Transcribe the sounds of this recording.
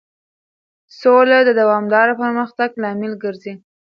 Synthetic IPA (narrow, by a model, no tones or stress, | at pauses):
solad̪əd̪awɑmd̪ɑɾapəɾməxt̪aɡlɑmɪlɡəɾzi